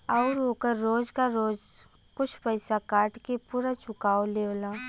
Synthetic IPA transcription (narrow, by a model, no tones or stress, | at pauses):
ɔʊɾoːkəɾːoːd͡ʒkaɾoːd͡ʒkʊt͡ʃʰpəɪsakaːɾʈkepuːɾat͡ʃʊkaːoleːʋlaː